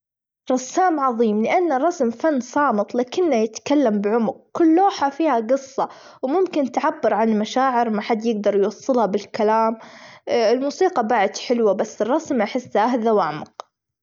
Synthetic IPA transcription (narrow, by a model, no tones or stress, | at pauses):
ɾˤɑsːaːmʕɑðˤiːmlɪʔanːrˤːɑsmfanːsˤɑːmɨt̪ˤlaːkɪnːajɪt̪kalːambɪʕʊmʊq̚kʊlːoːħafiːhaɡɨsˤːɑ | wmʊmkɪnt̪ʕabːɪɾˤʕanlmaʃaːʕɪɾmaħad̪ːjɪɡd̪ɑɾˤjwɑsˤːɨlhɑbɪlkalaːm | ɪlmuːsiːqɑbaʕɪd̪ħɪlwabasːɨrˤːɑsmʔaħɪsːʔahðawʔaʕmɑq